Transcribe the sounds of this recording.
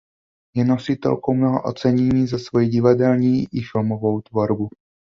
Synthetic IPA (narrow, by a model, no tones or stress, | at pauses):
jɛno̞sɪt̪ɛ̰lkowmnoɦo̰ʔo̰t͡sɛɲɛɲiːzasvojiɟɪvadɛlɲiːʔɪfɪlmo̞vo̞wt̪vo̞ɾbu